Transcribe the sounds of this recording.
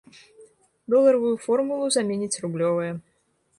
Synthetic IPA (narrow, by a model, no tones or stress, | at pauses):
d̪ɔlˠɐɾɐvujufɔrmulˠuzamʲenʲit͡sʲrublʲɔvɐjɛ